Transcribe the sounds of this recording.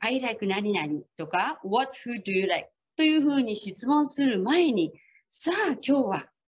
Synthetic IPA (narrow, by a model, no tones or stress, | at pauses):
aiɾaikɯ̟naɲʲinaɾʲit̪o̞kawot̚hɯ̟ːdɨjɨɾajk̚t̪o̞jɯ̟ːɸɯ̟ːɲ̟iɕit͡sɨmõ̞ɰ̃sɨɾɯ̟mae̞ɲ̟i | saːkʲo̞ːβa